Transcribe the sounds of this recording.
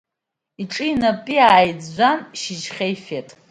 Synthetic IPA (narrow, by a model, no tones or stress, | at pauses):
iʈ͡ʂʼɨinapʼiaːjd͡zːʷanʃid͡ʒχʲejfetʼ